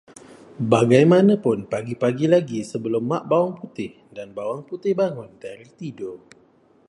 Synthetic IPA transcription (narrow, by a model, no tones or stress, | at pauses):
baɡajmanãpʊnpaɡipaɡilaɡisəbəlʊmːaʔbawaŋput̪ɪh | danbawaŋput̪ɪhbaŋʊndaɾiht̪ido